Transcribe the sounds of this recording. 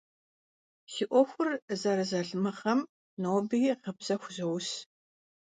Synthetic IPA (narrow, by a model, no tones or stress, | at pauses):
siʔʷɔxʷʊrzɐɾɨzɐɮɨmɐχɐm | noːbɨjiqəbz̥ɐxʷʊzɐws